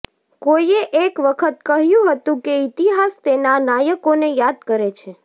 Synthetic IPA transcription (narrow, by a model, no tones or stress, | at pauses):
kojeʔekʋəkʰət̪̚kəɦjũɦət̪ũkeit̪iɦast̪enanajəkonejad̪̚kəɾet͡ʃʰe